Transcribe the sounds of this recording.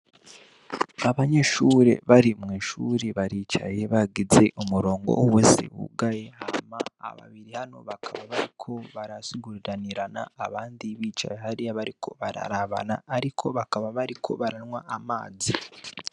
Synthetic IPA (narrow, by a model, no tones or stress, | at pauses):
aβaɲe̞ʃuːɾe̞̰βaɾimŋiːʃuɾeβaɾiːt͡ʃa̰je̞βaɡize̞ʔumuɾo̞ːŋɡo̞̰wesḛwṵɡaje̞hama̰ːβa̰βiɾihano̞̰βakʰaβaβaɾikʰo̞βaɾasiɡuɾiɾaniɾana̰ːβaːndiβiːt͡ʃa̰jeɦaɾiaβaɾikʰo̞̰βaɾa̰ɾaβa̰naːɾikʰo̞βakaβaβaɾikʰo̞̰βaɾanwaamaːzi